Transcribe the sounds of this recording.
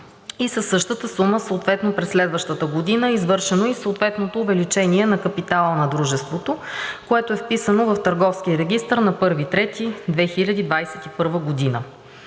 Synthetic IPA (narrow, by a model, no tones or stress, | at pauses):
isəsːɤʃt̪ət̪əsuməsoːt̪vɛt̪nopɾɛslɛd̪vəʃt̪ət̪əɡod̪inəɛizvɤɾʃɛnoisoːt̪vɛt̪not̪oːvɛlit͡ʃɛniɛnɐkɐpit̪alˠənɐd̪ɾuʒɛst̪vot̪okoɛt̪oɛfpisənovəft̪əɾɡɔfskʲiəɾɛɡʲist̪əɾnɐpɤɾvit̪ɾɛt̪id̪vɛxilʲɐd̪id̪vajsɛt̪ipɤɾvəɡod̪inə